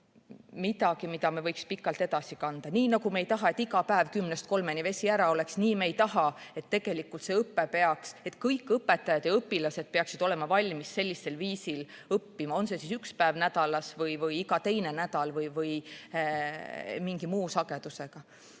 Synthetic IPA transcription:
mit̪ɑɡ̥imid̪ɑmevɤjkspikːˑɑlt̪e̞d̪̥ɑsikɑnd̪̥ɑniːnɑɡume̞jt̪ɑɦɑe̞t̪ːiɡɑpæevkymnest̪̚ko̞lme̞nive̞sʲiæɾɑo̞le̞ksniːmejt̪ɑɦɑe̞t̪ːe̞ɡ̥e̞likːˑult̪se̞ɤpːepe̞ɑkse̞t̪kɤjkːˑɤpːˑe̞t̪ːˑɑjɑd̪̥jɑɤpːilɑse̞d̪̥̚peɑksid̪̥o̞le̞mɑvɑlʲmisːe̞lʲːisːe̞lviːsil | ɤpːimɑo̞nse̞sisykspæevnæd̪̥ɑlɑsvɤjvɤjiɡɑt̪e̞jne̞næd̪̥ɑlvɤjvɤj | miŋɡ̥imuːsɑɡe̞d̪̥use̞ɡ̥ɑ

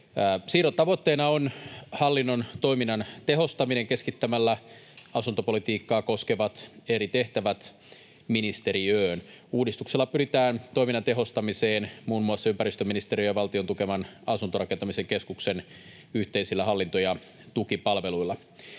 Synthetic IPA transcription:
æːsiːɾot̪t̪ɑʋot̪ːeːnɑonhɑlːinːo̞nt̪o̞iminːɑnt̪e̞ɦo̞st̪ɑmineŋke̞skit̪ːæmælːæɑsunt̪opo̞lit̪iːkːɑːko̞skeʋɑt̪e̞ɾit̪e̞ht̪æʋæt̪ | minist̪e̞ɾiøːn | uːdist̪ukselːɑpyɾit̪æːnt̪o̞iminːɑnt̪eɦo̞st̪ɑmiseːnmuːnmuɑsːɑympæɾist̪øminist̪eɾijøjɑʋɑlt̪io̞nt̪ukemɑnɑsunt̪oɾɑkent̪ɑmiseŋke̞skuksen | yht̪eisilːæhɑlːint̪ojɑ | t̪ukipɑlʋe̞luilːɑ

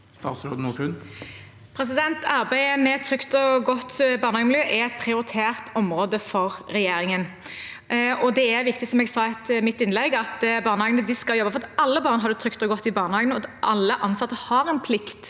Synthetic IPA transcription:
st̪ɑ̰ːt̪sɾoːd̪nuːʈʉn | pʰɾɛs̬ɪd̪ɛnt̪ɑʁbæɪəmɛt̪ʰɾʏkt̪ɔɡɔt̪ːbɑːʁnəɑɡnmljøːʔɛɛt̪̚pʰɾɪʊɾɪt̪ʰeːʁt̪ɔmɾoːd̪əfɔʁːɛjeːɾɪŋən | ɔd̪ɛæɾʋɪkt̪ɪsɔmɛɡsɑːɛt̪mɪt̪ːɪnlɛɡɑt̪bɑːʁnəhɑːɡənəd̪ɪskɑljɔbːɑfɔʁɑt̪ɑlːəbɑːʁnɦɑɾd̪ʉt̪ʰɾʏkt̪ɔɡɔt̪ːɪbɑːʁnəhɑːɡənɔd̪ʔɑlːəʔɑnsɑt̪ːəhɑɾɛnpʰlɪkt̪

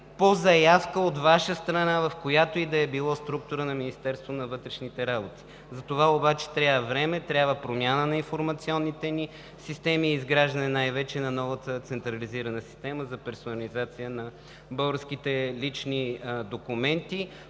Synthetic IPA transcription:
pozɐjafkəot̪vaʃəst̪ɾɐnavɐfkojat̪oid̪ɐɛbilˠɔst̪ɾuk̚t̪ʊɾənɐminist̪ɛɾst̪vonɐvɤt̪ɾɛʃnit̪ɛɾabot̪i̥ | zɐt̪ovaobat͡ʃɛ̥t̪ɾʲaəvɾɛmɛt̪ɾʲjabvəpɾomjanənɐinfoɾmɐt̪siɔnːit̪ɛni | sist̪ɛmiizɡɾaʒd̪ənɛnajvɛt͡ʃɛnɐnɔvət̪ət̪sɛnt̪ɾɐliziɾɐnəsi̥st̪ɛməzɐpɛɾsonɐlizat̪sijənɐ | bɤlˠɡəsk̟it̪ɛlit͡ʃnid̪okumɛnt̪i

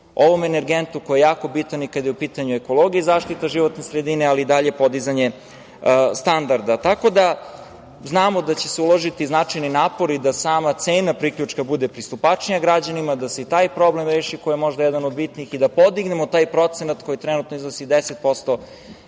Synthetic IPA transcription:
o̞ʋo̞mene̞ɾɡent̪ukojejaːko̞bit̪anikad̪jeupiːt̪aɲueko̞lˠo̞ɡieizaːʃt̪it̪aʒiʋo̞t̪ne̞sɾed̪ine̞aliːd̪aʎepo̞d̪izaɲe̞ | st̪and̪aɾd̪at̪ako̞d̪a | znaːmo̞d̪at͡ɕe̞seulˠoʒit̪iznat͡ʂajninaːpo̞ɾid̪asaːmat̪seːnapɾikʎut͡ʂkabud̪epɾist̪upat͡ʃnijaɡɾad͡ʑanimad̪aseit̪aːjpɾo̞blemɾeːʃiko̞jemo̞ʒd̪ajɛd̪anod̪bit̪niːxid̪apo̞d̪iɡne̞mo̞t̪aːjpɾo̞t̪senat̪ko̞jit̪ɾɛnut̪noiznosid̪eset̪̚po̞st̪o̞

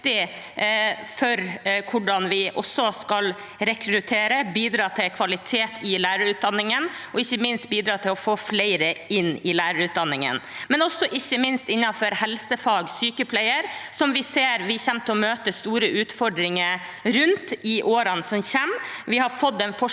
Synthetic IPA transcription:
t̪ɪ | fɔɾkʰʊɖɑnʋɪʔɔsɔskɑl | ɾɛkʰɾʉt̪ʰeːɾəbiːd̪ɾɑːt̪ʰɪlkʰʋɑlɪt̪ʰeːt̪ʰɪlæːɾəɾʉːt̪̚d̪ɑnːɪŋənɔɪçːəmɪnst̪̚biːd̪ɾɑːt̪ʰɪlɔfoːflæɪɾəɪnːɪlæːɾəɾʉːt̪̚d̪ɑnːɪŋə̰nmɛnɔsːɔʔɪçːəmɪnst̪ɪnːɑfɔɾhɛlsəfɑːɡsyːkəpʰlæɪəɾsɔmʋɪseːɾʋɪçɛmt̪ʰəɔmøːt̪əst̪uːɾəʔʉːt̪fɔɾɖɾɪŋəɾ | ɾʉnt̪ɪʔoːɾɑnsɔmçɛmʋɪhɑɾfɔd̪ːɛnfɔ

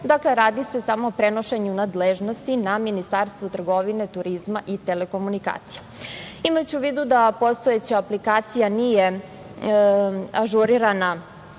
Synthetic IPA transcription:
d̪akle̞ɾaːd̪ise̞samoːpɾeno̞ʃe̞ɲunad̪leʒno̞st̪inaminist̪aɾst̪vut̪r̩ɡo̞ʋine̞t̪uɾizmaʔit̪e̞le̞ko̞munika̰ːt̪sija | imat͡ɕuʋiːd̪ud̪apo̞st̪o̞et͡ɕaaplikaːt̪sijanije̞ | aʒuɾiɾana

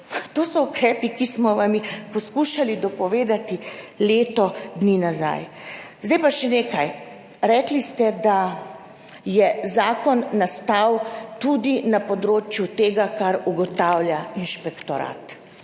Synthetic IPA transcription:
t̪oːsɔukɾɛːpikismɔʋamipɔskuːʃalid̪ɔpɔʋeːd̪at̪ileːt̪ɔd̪niːnaza̰jzd̪ɛjpaʃɛneːkaj | ɾɛːklist̪ɛd̪a | jɛzaːkɔnːast̪awt̪ud̪inapɔd̪ɾoːt͡ʃjut̪eːɡakaɾuɡɔt̪aːwljainʃpɛkt̪ɔɾa̰t̪

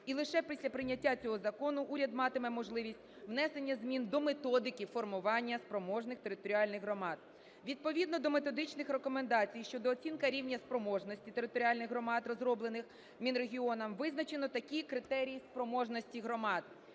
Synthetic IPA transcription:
ilˠɪʃɛpʲisʲlʲɐpɾɪnʲːɐtʲːat͡sʲɔɦɔzɐkɔnʊʔuɾʲɐd̪mɑt̪ɪmɛmɔʒlˠɪʋʲisʲtʲʋnɛse̞nʲːɐzʲmʲind̪ɔmet̪ɔd̪ɪkʲifɔrmʊʋɑnʲːɐspɾɔmɔʒnɪxt̪eɾɪt̪ɔɾʲiɑlʲnɪɣɦɾɔmɑd̪̚ | ʋʲid̪̚pɔʋʲid̪nɔd̪ɔme̞t̪ɔd̪ɪt͡ʃnɪxrekɔmend̪ɑt͡sʲijʃt͡ʃɔd̪ɔːt͡sʲinkɐɾʲiwnʲɐspɾɔmɔʒnɔsʲtʲit̪e̞ɾɪt̪ɔɾʲiɑlʲnɪɣɦrɔmɑt̪rɔzɾɔblˠenɪx | mʲinɾeɦʲiɔnɐmʋɪznɐt͡ʃenɔt̪ɐkʲikɾɪt̪ɛɾʲijispɾɔmɔʒnɔsʲtʲiɦɾɔmɑd̪

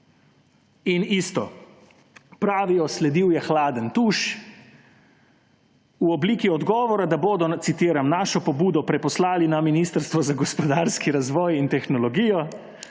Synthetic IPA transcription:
inist̪ɔ | pɾaːʋiɔslɛd̪iwjɛxlaːd̪ənt̪uːʃ | uɔbliːkiɔd̪ɡɔːʋɔɾad̪aboːd̪ɔt̪sit̪iːɾamnaːʃɔpɔbuːd̪ɔpɾɛpɔslaːlinaminiːst̪əɾst̪ʋɔzaɡɔspɔd̪aːɾskiɾazʋɔːjint̪ɛxnɔlɔɡijɔ

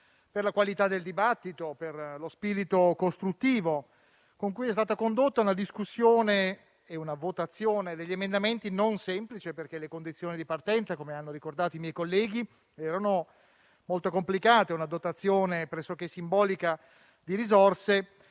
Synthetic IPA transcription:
perlakwalit̪ad̪ːeld̪ibat̪ːit̪operlospiɾit̪okost̪ɾut̪ːiːvo | koŋkujɛst̪aːt̪akond̪ot̪ːaunad̪iskusːjoːne | eunavot̪at̪sːjoːned̪eʎːemend̪ament̪inonsɛmplit͡ʃeperk̟elekond̪it̪sjoːnid̪ipart̪ɛnt̪sakomeanːoɾikord̪aːt̪oimjɛjkolːɛːɡ̟i | ɛːɾano | molt̪okomplikaːt̪eunad̪ot̪at̪sːjoːnepɾɛsːok̟esːimbɔːlika | d̪iɾizorse

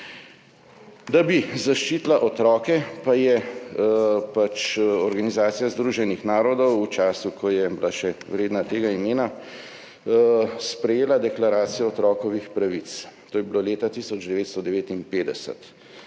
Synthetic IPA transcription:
d̪abizaʃt͡ʃiːt̪laʔɔt̪ɾɔːkɛpajɛ | pat͡ʃɔɾɡanizaːt̪sijazd̪ɾuːʒɛnixnaːɾɔd̪ɔwːt͡ʃaːsukʰɔjɛbilaʃɛwɾeːd̪nat̪eːɡaimeːna | spɾɛjeːlad̪ɛklaɾaːt̪sijɔɔt̪ɾɔːkɔʋixpɾaʋit̪st̪oːjɛbiloːleːt̪at̪isɔd͡ʒd̪ɛʋeːt̪st̪ɔd̪ɛʋeːt̪inpeːd̪ɛsə̰t̪

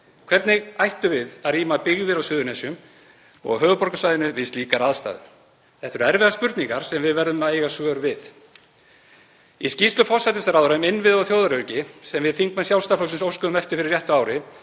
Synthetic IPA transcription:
kʰv̥ɛɾt̪nɪɣajht̪ʏvɪðaðɾiːmapɪɣðɪɾawsʏːðʏɾnɛsjʏm | ɔ̰ɣɦœːɣʏpɔɾkasajðɪnʏvɪst̪liːkaɾaðst̪a̰ːðʏ | θɛht̪ʏɾɛɾvɛɣaspʏɾt̪niŋkaɾ̥sɛmvɪðvɛɾðʏmaejɣasvœːɾvɪð | iscist̪lʏfɔr̥sajt̪ɪsaɾaːðɾaʏmɪnːvɪðɔθjowðaɾœɥcɪsɛmvɪðθiŋkmansjawlst̪afœwsɪnsowskʏðʏmɛft̪ɪ̥fɪɾɪɾrjɛht̪ʏaːwɾɪ

